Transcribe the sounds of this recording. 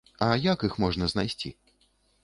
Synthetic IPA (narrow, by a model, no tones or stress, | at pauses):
ɐjakixmɔʐnɐznajsʲt͡sʲḭ